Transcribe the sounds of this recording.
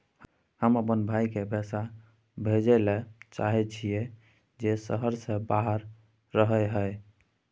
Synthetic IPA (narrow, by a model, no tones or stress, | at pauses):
həməpənbʱajkebʱɛsa | bʱed͡ʒɛlet͡ʃa̰ɦɛt͡ʃʰije | d͡ʒesə̰ɦəɾsẽbaɦəɾː | əɦəɦəj